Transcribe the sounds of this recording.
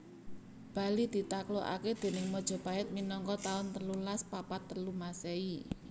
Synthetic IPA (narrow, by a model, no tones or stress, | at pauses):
b̥ä̤lid̪̥i̤t̪akloʔa̰ked̪̥e̤nɪŋmɔd̥ʒ̥ɔ̤paɪt̪̚minɔŋkɔt̪aʊnt̪əlulaspapat̪ːəlumasei